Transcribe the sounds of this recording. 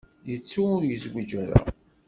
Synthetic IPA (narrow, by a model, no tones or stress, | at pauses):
jət͡sːuʊɾjəzwid͡ʒæɾæ̰